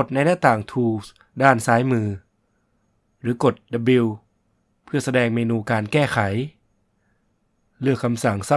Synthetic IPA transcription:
t̪̚na˧jnɛː˥˩wt̪aː˨˩ŋt̪ʰuː˧ | daː˥˩nsaː˦˥jmɯː˧ | ɾɯː˩˦ko˨˩t̪̚da˧bi˧w | pʰɯ˥˩ɐsa˧dɛː˧ŋmeː˧nuː˧kaː˧nkɛː˥˩xʰa˩˦j | lɯ˥˩əkʰːa˧msa˩˦ŋsa˧˥

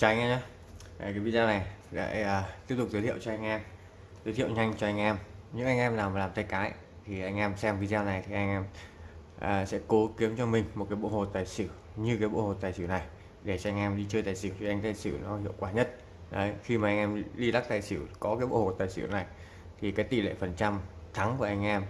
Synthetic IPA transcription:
t͡ɕɔ˧ʔa˧jŋ̟ʔa˧ɲa˨˦ | ʔkaː˨˦jvi˧zaː˧na˨˩jɗa̰ː˧˩˨əː˨˩t̪i˦˥p̚t̪ʊ˨˩k͡p̚zt̪ʰi˧˨ə˨wt͡ɕɔ˧ʔa˧ŋ̟ʔɛ˧m | zəː˨˦t̪i˧ə˨wɲa˧jŋ̟t͡ɕɔ˧ʔa˧jŋ̟ʔɛ˧mɲɨ̰˧˥ŋʔa˧ŋ̟ʔɛ˧mlaː˨˩m˨laː˨˩mt̪ʰa˧jkaː˨˦j | t̪ʰi˨˩ʔa˧jŋ̟ʔɛ˧msɛ˧mvi˧zaː˧na˨˩jt̪ʰi˨˩ʔa˧jŋ̟ʔɛ˧mʔəː˨˩sɛ̰˧˥ko˨˦ki˨˦əmt͡ɕɔ˧mï˨˩ŋ̟mo˨˩t̚kaː˨˦jɓo̰˧˨ho˨˩t̚t̪aː˨˩jsɨ˧˩ | ɲɨ˧kaː˨˦jɓo̰˧˨ho˨˩t̪aː˨˩jsɨ̰˧˩wna˨˩j | ɗe˧˩t͡ɕɔ˧a˧jŋ̟ʔɛ˧mɗi˧t͡ɕəː˧jt̪aː˨˩jsɨ˧˩wt͡ɕi˨˩ʔa˧jŋ̟t̪aː˨˩jsɨ˧˩nɔ˨˦hḭ˧˨əwkwaː˧˩ɲə˦˥t̚ | ɗə˨˦jxi˧maː˨˩ʔa˧ŋ̟ʔɛ˧mɗi˧la˦˥k̚t̪aː˨˩jsɨ˧˩kɔ˨˦kaː˨˦jɓo̰˧˨ho˨˩t̪aː˨˩jsɨ̰˧˩wna˨˩j | t̪ʰi˨˩kaː˨˦jt̪ḭ˧˩lḛ˧˨fə˨˩nt͡ɕa˧mt̪ʰa˨˦ŋku˧˩ʔa˧jŋ̟ʔɛ˧m

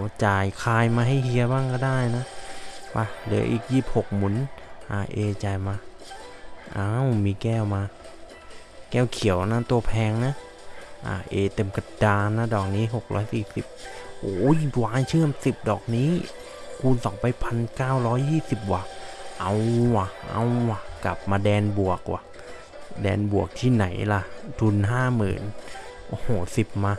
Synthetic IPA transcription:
t͡ɕaː˨˩jkʰaː˧jmaː˧ɦa˧˥˩jhi˧˥ɐ˧baː˧˥˨ŋkɔː˧˩daː˥˩jna˦˥wa˧lɯ̰˨˦ɐʔiː˨˩k̚jiː˥˩p̚ho˨˩k̚mu˧˩˦nʔa˧˩ʔeː˧˩t͡ɕaː˨˩jmaː˧ | ʔaː˧˨wmiː˧kɛː˧˥˩wmaː˧ | kɛː˧˥˩wkʰi˨˩˦əwna˧˥t̪u˧ɐpʰɛː˧ŋna˦˥ | ʔa̰ː˧˩ʔeː˧˩t̪e˧mka˧˩daː˧nːa˦˥˩dɔː˨˩k̚niː˦˥˩ɦo˨˩k̚lɔ̰ː˦˥jsiː˨˩si˨˩p̚ʔoː˨˦i˧˦twaː˧˦˥t͡ɕʰɯ˥˩ə˨msi˨˩p̚dɔː˨˩k̚niː˦˥˨ | kʰu˧nsɔ˨˦ŋpa˧jpʰa˧nkaː˥˩wɾɔː˦˥jːiː˥˩si˨˩p̚waː˨˩k̚ʔa̰˧wwa˧˩ʔa̰˧wa˧˩ka̰˨˩p̚maː˧dɛː˧nbu˨˩əkːwa̰˨˧˩ | dɛː˧nbu˨˩ək̚t̪ʰiː˥˩na̰˨˩˦jla˧˩t̪ʰu˧nɦaː˥˩mɯ̰ː˨˩˦n | ho˨˩si˨˩p̚maː˧

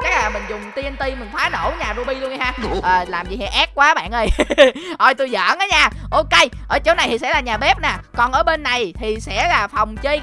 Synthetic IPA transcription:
t͡ɕa˦˥k̚laː˨˩mï˨˩ŋ̟zʊ˨˩ŋ͡mt̪i˧ənt̪i˧mï˨˩ŋ̟t̪ʰaː˨˦no̰˧˩wɲaː˨˩zu˧ɓi˧lu˧ənʔa˨˩haː˧ʔəː˨˩laː˨˩mzi˨˩ɦɛ˧˩ʔɛː˦˥k̚kːwaː˨˦ɓa̰ː˧˨nʔə˧˩jʔɔ˧jt̪u˧jzə̰ː˧˨nʔaː˨˦ɲaː˧˩ | ʔo˧ke˧jʔʔəː˧˩t͡ɕo˨˦wna˨˩jt̪ʰi˨˩sɛ̰˧˥laː˨˩ɲaː˨˩ɓe˦˥p̚naː˨˩kɔ˨˩nʔəː˧˩ɓe˧nːa˨˩jt̪ʰi˨˩sɛ̰˧˥laː˨˩fa˨˩wŋ͡mt͡ɕə˧j

